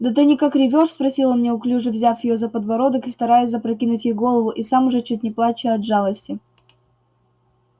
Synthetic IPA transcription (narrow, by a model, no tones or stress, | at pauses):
d̪ɐt̪̬ɨnʲɪkakɾʲɪvʲoʂspɾɐsʲilˠəmnʲeʊklʲuʐɨvzʲafjɪjozəpəd̪vɐɾo̞d̪əkɨst̪ɐɾajɪsʲzəpɾɐkʲinʊtʲjejɡo̞lˠəvʊʔisamʊʐɛt͡ɕːut̚ʲnʲɪplˠat͡ɕɪɐd̪ʐalˠəsʲtʲɪ